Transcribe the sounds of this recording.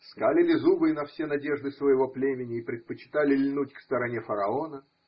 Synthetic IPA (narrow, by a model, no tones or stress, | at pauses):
skalʲɪlʲɪzubɨnɐfsʲenɐdʲe̞ʐd̪ɨsvəjɪvo̞plʲemʲɪnʲɪːpɾʲɪt̪̚pət͡ɕɪ̥t̪alʲɪlʲnutʲkst̪əɾɐnʲe̞fəɾɐo̞nə